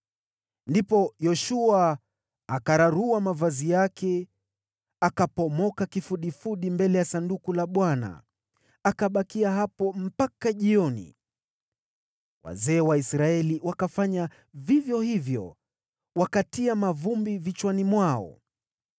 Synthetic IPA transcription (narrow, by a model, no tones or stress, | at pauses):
ndipɔjɔʃua | akaɾaɾuamavazijakʰɛ | akapɔmɔkakifuɗifuɗimbɛlɛjasandukulaɓwana̰ | akaɓakiaɦapɔm̩pakaʄiɔnḭ | wa̰zɛːwaisɾaɛliwakafaɲa | vivjɔhivjɔ̰ | wakatiamavumbivit͡ʃwanimwaɔ̰